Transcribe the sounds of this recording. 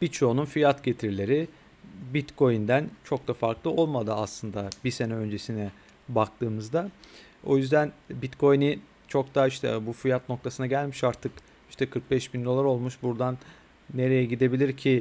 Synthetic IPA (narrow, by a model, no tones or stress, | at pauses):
b̥it͡ʃonunfijat̪ɟe̞t̪ʰiɾlʲe̞ɾi | bit̪kʰo̞jind̪ænt͡ʃʰo̞k̚d̪afaɾklˠɯʔo̞lˠmad̪ɯaslˠɯnd̪abise̞nɛø̞nd͡ʒe̞sinɛ | bak̚t̪ʰɯːmɯzd̪a | o̞̰jyzd̪ænbit̪kʰo̞jni | t͡ʃʰo̞kd̪aiʃt̪ʰɛ̰bufijat̪no̞k̚t̪ʰasɯnaɟælʲmiʃaɾt̪ʰɯk | iʃt̪ʰɛkʰɯɾk̚bɛʃbind̪o̞lˠaɾo̞lˠmuʃbuɾd̪anː | e̞ɾe̞jɛɟid̪e̞bilʲiɾcʰi